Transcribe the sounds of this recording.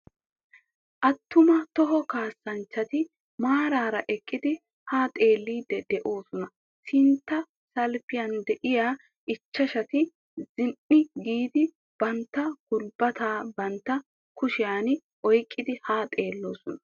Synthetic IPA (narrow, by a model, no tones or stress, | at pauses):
ʔɐt̪ːʊmɐt̪ɔɦɔkaːsːɐnt͡ʃːɐt̪ɪ | maːɾaːɾɐʔɛkʼːɪd̪ɪ | haːt̪ʼe̞ːlːiːd̪ɛd̪ɛʔo̞ːsɔnɐ | sɪnt̪ːɐ | sɐlfɪjɐnd̪ɛʔɪjaː | ʔɪt͡ʃːɐʃɐt̪ɪ | zɪnʔɪɡiːd̪ɪ | b̥ɐnt̪ːɐɡ̥ʊlbɐt̪aːbɐnt̪ːɐ | kʊʃɪjaːn | ʔɔjkʼːɪd̪ɪhaːt̪ʼe̞ːlːo̞ːsɔnɐ